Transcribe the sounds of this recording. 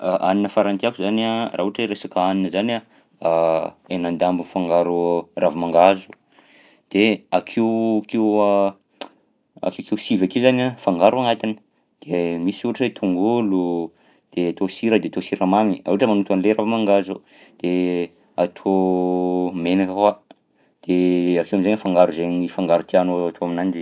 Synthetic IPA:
aʔaninəfaɾant̪iakuzanaraːuʈ͡ʂeɾesakaaninəzana | enand̪ambunfaŋɡaɾurʔavumaŋɡazu | d̪̥eakʰiwkewa | a̰kekewsivakizanafaŋɡaɾuaŋat̪inə̥ | d̪̥emisuaʈ͡ʂet̪ʰuŋɡulu | d̪̥eat̪osiɾəd̪eat̪osiɾamamia̰ʈ͡ʂəmanut̪anleravmaŋɡazu | d̪̥e | at̪ʰo | menakakwa | d̪̥eakewamizanfaŋɡaɾuzenifaŋɡaɾut̪ianoat̪ʰoaminand͡ʒi

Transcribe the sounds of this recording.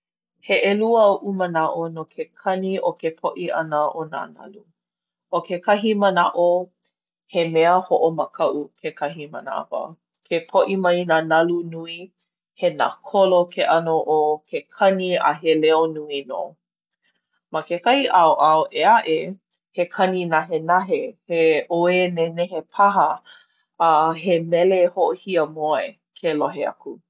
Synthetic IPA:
heʔeluəʔumənaʔonokʰekʰɐniʔokepʰoʔiʔɐ̰nəʔona̰nɐ̰lu | ʔokʰekʰɐɦimənaʔo | hemeəhoʔoməkʰɐʔukʰekʰɐɦimə̰na̰və̰ | kʰepʰoʔimɐjnaːnɐlunui | hena̰kʰolokʰeʔɐnoʔokʰekʰɐnia̰ɦeleonuino̰ | makekɐhiʔaoʔaoʔeaʔe | hekʰɐninaɦenaɦeheʔoeneneɦepʰaɦə | ɦemɛlehoʔohiəmoe | kʰeloɦea̰kʰu

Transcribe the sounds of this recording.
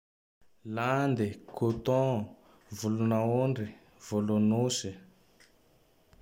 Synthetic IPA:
land̪ikʰot̪ɔ̃ | vulunaoɳɖ͡ʐi | v̥olonosi

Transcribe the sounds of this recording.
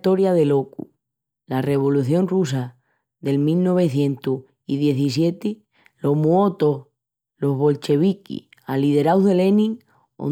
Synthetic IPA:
t̪o̞ɾjaðe̞lo̞ku | lare̞β̞o̞luθjo̞nrusa | ðe̞lmilno̞β̞e̞θje̞nt̪u | iðje̞θisje̞t̪i | lo̞ɦmuo̞t̪oh | lo̞ɦβo̞lt͡ʃe̞β̞ikḭ | alið̞e̞ɾawðe̞le̞nĩŋ | o̰

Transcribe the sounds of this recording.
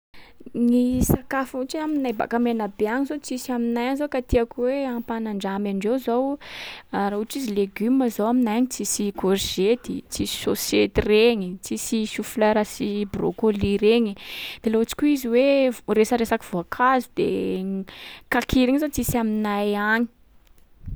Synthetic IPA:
nisakafuʈ͡ʂiaminajba̰kamenabeaŋizot͡sisiaminajanizokat̪iakweapanaɳɖ͡ʐamaɳɖ͡ʐewzow | aɾauʈ͡ʂizileɡyməzowaminajɲit͡sisikorʒet̪it͡sisi̥soset̪reɲit͡sisisuflaɾasibro̰koliɾeɲid̪̥eloat͡si̥kʲuiziwevresəɾesaki̥v̥oakʰazud̪ḛ | kakʰiɾiŋizot͡sisaminajaɲi̥

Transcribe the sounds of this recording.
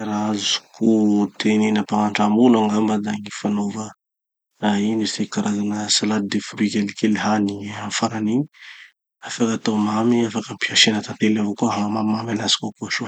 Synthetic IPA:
ɾazu̥kʰut̪eninapaŋaɳɖ͡ʐamulaŋɡambad̪aŋifanovə | ainisekaɾʔazanəsalad̪̚d̪efuɾikʲelikeliɦaniafaɾanii | afakat̪omamiafakəmpiaʃenət̪ant̪elavokuaɦamamamanasi̥kakuaʃo

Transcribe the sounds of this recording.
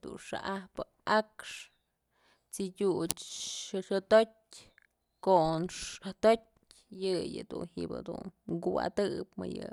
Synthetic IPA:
d̪unʂa̰ʔahpɨ | akʂ | t͡sidʲut͡ʃʃoʃot̪ot̚ʲ | konʂat̪ot̚ʲ | jɨjɨd̪unhḭbɨ̰d̪unɡua̰d̪ɨpmɨjɨ

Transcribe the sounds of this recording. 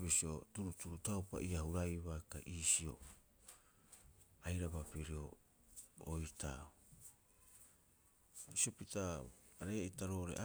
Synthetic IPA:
bisio̞tuɾutuɾutawpa̰ʔiahuɾajβakaʔiːsio̞̰ | ajɾabapiɾio̞̰ː | jtʰa̰o | sio̞pitaɾe̞itaɾo̞ːɾe̞̰ʔa

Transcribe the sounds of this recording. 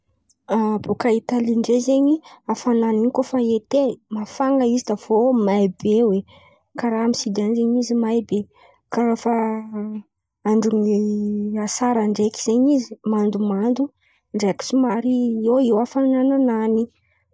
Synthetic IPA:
abukait̪aliɳɖ͡ʐezeɲiafananinkofaet̪emafaŋɡəizid̪av̥omajbewe | kaɾamisid̪anzeɲizimajbe | kaɾafa | aɳɖ͡ʐuŋ | asaɾaɳɖ͡ʐekiz̥eɲizimand̪umand̪u | ɳɖ͡ʐeki̥sumaɾieewafanananani

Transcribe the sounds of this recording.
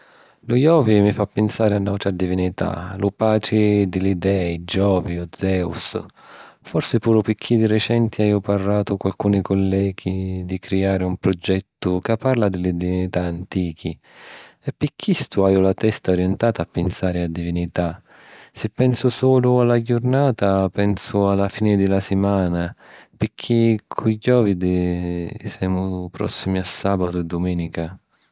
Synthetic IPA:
lʊjɔːvimifapːɪnsaːɾɪanːawt̪ɾad̪ivinit̪ʰa̰lʊpaːt͡ʃɪd̪ɪlid̪ɛːid͡ʒɔːviʊd̪zɛṵs | fɔrsɪpuːɾʊpɪkʰːid̪irɛt͡ʃɛnt̪iajʊparːaːt̪ʊkalkuːnikʊlːɛːɡid̪ikɾiaːɾɪumpɾɔd͡ʒːɛt̪ːʊkapːarlad̪ɪlɪd̪ivinit̪aːnt̪iːk̟ʰi | ɛpːikʰːist̪uaːjʊlat̪ɛst̪aɔɾjɛnt̪aːt̪aːpːɪnsaːɾɪad̪ːivinit̪a | sɪpːɛnsʊsɔːlʊalaɟʊrnaːt̪apɛnsʊalafiːnɪd̪ɪlasɪmaːnapɪkʰːikʰuɟɔːvid̪ | sɛːmʊpɾɔ̰sːimiasːaːbat̪ʊɛd̪ːʊmɛːnika

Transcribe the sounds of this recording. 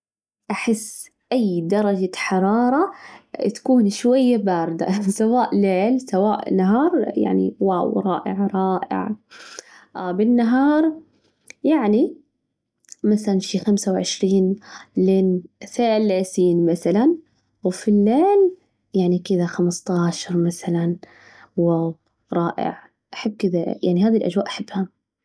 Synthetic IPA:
ʔaħɪsː | ʔajːd̪ɑɾˤɑd͡ʒaħɑɾˤɑːɾˤɑt̪ḁkuːnʃwajːabaːɾɪd̪a̰sawaːʔleːlsawaːʔnaɦɑːɾˤja̰ʕnḭwɑːwɾˤɑːʔɪ̰ʕɾˤɑːʔɪ̰ʕ | bɪnːaɦɑːɾˤ | jaʕni | maθalanʃiːxamsawʕɪʃɾiːnlɪnθeːlːeːsiːnmaθalan | wfilːeːl | jaʕnikɪðaxamst̪ˤɑːʃɑɾˤmaθalan | wab | ɾˤɑːʔɪ̰ʕ | ʔaħabːkɪd̪aja̰ʕniɦhaːðilʔad͡ʒwaːʔaħɪbːha

